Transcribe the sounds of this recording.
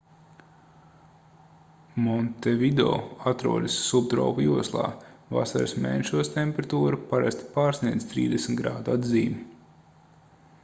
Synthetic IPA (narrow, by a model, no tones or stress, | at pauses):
mɔnt̪evid̪o̰ːat̪ɾuɔd̪ɨsːub̚t̪ɾɔ̰ːpujuɔslˠɑ̰ːva̰saɾsmɛ̰jnʲʃuɔst̪ʲemʲpeɾat̪uːɾupaɾa̰st̪ʲi̥paːɾsniɛd̪zʲt̪ɾḭːd̪esmʲt̪ɡɾa̰ːd̪uad̪ziːmu